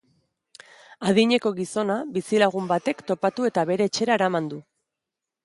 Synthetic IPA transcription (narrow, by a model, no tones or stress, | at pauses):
að̞iɲe̞ko̞ɣiso̞nabisilaɣ̞umbat̪e̞kt̪o̞pat̪ue̞t̪aβe̞ɾe̞ːt͡ʃe̞ɾaeɾamand̪u